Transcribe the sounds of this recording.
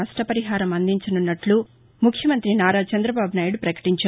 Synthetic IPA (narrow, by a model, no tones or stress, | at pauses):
ɐsʈɐpɐɾiɦaːɾɐmɐnd̪iɲt͡ʃɐnunːɐʈlu | mukʰjɐmɐnt̪ɾinaːɾaːt͡ʃɐnd̪ɾɐbaːbʱunaːjiɽupɾɐkɐ̥ʈiɲt͡ʃa